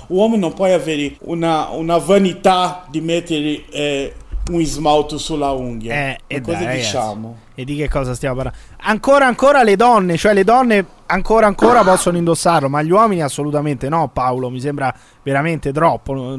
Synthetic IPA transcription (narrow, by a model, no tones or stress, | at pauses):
uɔmnõmpwɔjaveːɾɪṵnaṵnavanit̪ad̪imɛt̪ːeɾɪɛuŋizmawt̪usulauŋɡjaɛɛd̪ɔzait͡ʃamʊ | ed̪ːik̟ekːɔːzast̪jamapaɾla | aŋkoːɾaːŋkoːɾaled̪ɔnːet͡ʃoɛled̪ɔnːe | aŋkoːɾaːŋkoːɾapɔsːonoind̪osːarlomaʎːwɔminiasːolut̪ament̪enɔpːawlomisembɾa | veɾament̪et̪̬ɾɔpːo